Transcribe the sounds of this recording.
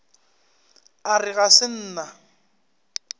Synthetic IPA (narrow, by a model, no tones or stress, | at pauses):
arɪɣasɪn̩ːna